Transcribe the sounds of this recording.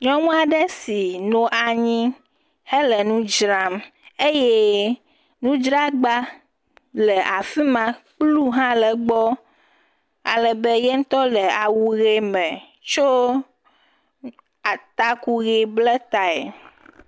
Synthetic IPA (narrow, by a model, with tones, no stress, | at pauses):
ɲɔ̃˦mũ˦a˨ɖɛ˦si˨nõ˨ʔa˨ɲĩ˦ | he˦lɛ˨nũ˦d͡ʒɾa˦me˦jɛɛ˦ | nũ˦d͡ʒɾa˦ɡ͡ba˦ | lɛ˨ʔa˨fi˦mã˦k͡plu˦ɦã˦lɛ˨ɡ͡bɔ˦ | a̰˨lɛ˨bɛ˦jɛ˦ŋ̩˦t̪ɔ˦lɛ˨a˨wu˨ɣe˦mɛ̃˨ | t͡ʃo˦ | a˨t̪a˦ku˦ɣe˨blɛ˦t̪a˦ɛ̰˨